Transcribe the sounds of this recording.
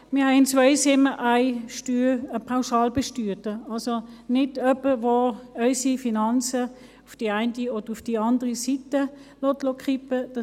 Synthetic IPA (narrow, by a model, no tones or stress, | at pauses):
mɪːɐhɛɪɪnt͡svœʏsɪmːəʔaɪʃtyːəpʰaʊʃɑːlbeʃtyːtəɑlsonɪdœpəʋoœʏsifinɑnt͡sə | ʊfd̥iaɪntiod̥əufd̥iɑndəʁisitəlotlokʰχipəd̥ɑ